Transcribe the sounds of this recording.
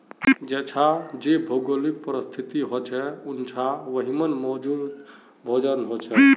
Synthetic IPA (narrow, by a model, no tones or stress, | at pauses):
d͡ʒɛt͡ʃʰad͡ʒebʱoɡolikpəɾəst̪ʰit̪iɦot͡ʃʰɛunt͡ʃʰaʋəɦimənmɔd͡ʒud̪ | bʱɔd͡ʒənɦot͡ʃʰɛ